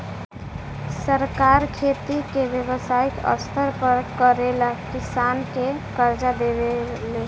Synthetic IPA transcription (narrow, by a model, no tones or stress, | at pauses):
səɾkaɾkʰet̪ikebjebəsaik̪ə̰st̪ʰəɾpəɾkəɾeləkisankekəɾd͡ʒad̪ebele